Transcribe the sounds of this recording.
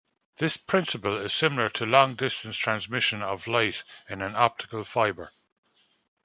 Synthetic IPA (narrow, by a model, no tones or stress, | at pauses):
ðɪspʰɹ̥ɪ̃nsɪpəlɪz̥sɪməlˠə˞tʰəlɔ̃ŋdɪstə̃nstʰɹ̥ãnzmɪʃə̃nəvlaɪtɪ̃nə̃nɔp̚tʰɪ̥kəlˠfaɪbə˞